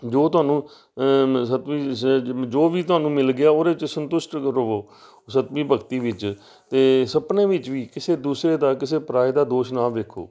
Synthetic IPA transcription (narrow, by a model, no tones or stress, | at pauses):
d͡ʒoːt̪ʊaːnũː | sət̪miːd͡ʒoːʋiːt̪ʊɦaːnũːmɪlɡɪjaːoːɾeːɪt͡ʃsənt̪ʊʃʈkəɾoːoː | sət̪miːbʱəkt̪iːʋɪt͡ʃ | t̪eːsəpnẽːʋɪt͡ʃʋiːkɪseːd̪uːsɾeːd̪aːkɪseːpɾaːid̪aːd̪oːʃnaːʋeːkʰo̰ː